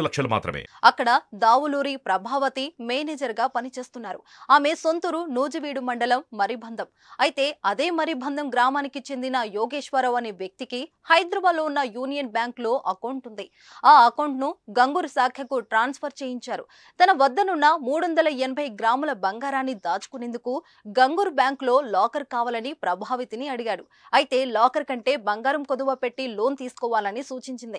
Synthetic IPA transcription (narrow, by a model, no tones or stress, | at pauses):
lɐkʂɐlɐma̰ːt̪ɾɐ̰mḛːɐkːɐɽɐd̪aːʋuluːɾipɾɐbʱaːʋɐt̪imeːneːd͡ʒɐɾɡaːpɐnit͡ʃe̞ːst̪unːaːɾu | aːme̞so̞nt̪uɾunuːd͡ʒɐʋiːɽumɐɳɖɐlɐmːɐɾibʱɐnd̪ʱɐm | ɐjit̪e̞ːɐd̪eːmɐɾibʱɐnd̪ʱɐmɡɾaːmaːnikit͡ʃe̞nd̪inɐjoːɡeːʂʋɐɾɐʋɐneːʋjɐk̚t̪iki | hɐjd̪ɾɐbaːd̪loːunːɐjuːnijɐnbjaːŋklo̞ːʔɐkɐwɳʈund̪i | aːɐkɐwɳʈnuɡɐŋɡuːɾsaːkʰjɐkuʈɾaːnspʰɐɾt͡ʃeːjiɲt͡ʃaːɾṵ | t̪ɐnɐʋɐd̪ːɐnunːɐmuːɽuʋɐnd̪ɐlɐɛnɐbʱɐjɡɾaːmulɐbɐŋɡaːɾaːnːid̪aːt͡ʃu̥kunend̪uku | ɡɐŋɡuːɾbjaːŋklo̞ːlaːkɐɾkaːʋaːlɐnipɾɐbʱaːʋit̪iniɐɽiɡaːɽu | ɐjt̪e̞ːlaːkɐɾkɐɳʈe̞ːbɐŋɡaːɾɐmkod̪ɐʋaːpe̞ʈːilo̞ːnt̪iːsu̥kɔːʋaːlɐnisuːt͡ʃiɲt͡ʃind̪i